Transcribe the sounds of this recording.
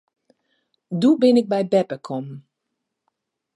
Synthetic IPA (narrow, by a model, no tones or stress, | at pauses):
dubɪnɪk̚bɛjbɛpəkʰɔm